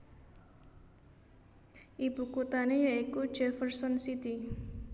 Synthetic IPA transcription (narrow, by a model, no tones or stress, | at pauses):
ʔib̥ṳkot̪anejaiku̥d͡ʒɛfərsɔnsit̪i